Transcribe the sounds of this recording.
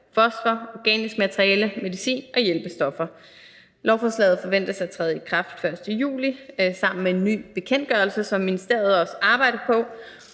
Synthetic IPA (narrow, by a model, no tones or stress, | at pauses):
fɒ̽sfɐɒɡ̥ɛ̰ːnisɡ̥mæt͡sʰəʁiɛləme̝ðˠisḭːnɒ̽jelb̥əsd̥ɒ̽fɐ | lɒʊfɒslɛ̰ːð̩ˠfɒ̽ʋen̰d̥ɐsɑ̈ɪæt͡sʰʁɛːð̞̩ˠikʰʁɑ̈fd̥fɶɐsd̥əjṵːlisɑ̈m̰n̩mee̝nːy̰ːb̥e̝kʰen̰d̥̚ɡ̥ɶɐlsəsɒ̽mːinisd̥e̝ɐ̰ð̞̩ˠɒ̽səʔɑ̈ːb̥ɑ̈ɪ̰ɾɐpʰɒ̽